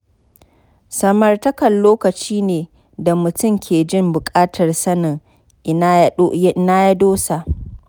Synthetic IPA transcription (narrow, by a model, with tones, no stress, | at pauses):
sɐ˨mɐ˨rtɐ˦kɐ˨nloː˦kɐ˨t͡ʃiː˦neː˨ | da˨mʊ˨tʊ˦˨mkʲʰeː˨d͡ʒɪ˦mbʊ˨kʼaː˦tʰɐ˨rsɐ˦nɪ˨ŋ | ʔɪ˦ʔɪ˦na˦ja˦doː˦sa˨ʔ